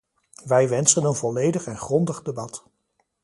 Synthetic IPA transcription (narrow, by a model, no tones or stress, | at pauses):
ʋɛjʋɛnsənənvɔlejdəχɛnχrɔndəχdəbɑt